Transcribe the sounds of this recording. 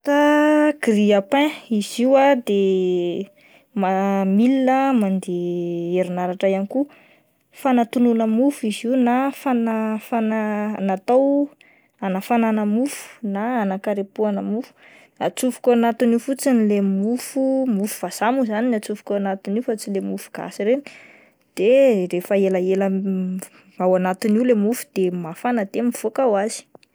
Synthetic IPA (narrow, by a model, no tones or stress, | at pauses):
t̪aɡɾiapɛ̃iz̥iwad̪e | mamilinəmand̪eeɾinaɾaʈ͡ʂajaniku | fanat̪ununəmufuiziwnafanafananat̪aw | anafananəmufu̥naanakaɾepuanəmufu̥ | at͡sufu̥kʲoanat̪iniufut͡sinilemufumufuv̥azamuzaninat͡sufu̥koanat̪iniufat͡silemufu̥ɡ̥a̰siɾeni | d̪̥erefəelaelə | awanat̪iniulemufu̥d̪̥emafanad̪emiv̥okawazi̥